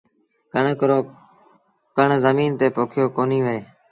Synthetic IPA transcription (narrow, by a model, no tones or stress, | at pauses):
kəɳkɾoː | kəɳzəmiːnt̪eːpoːkʰɪjoːkoːniːʋəeː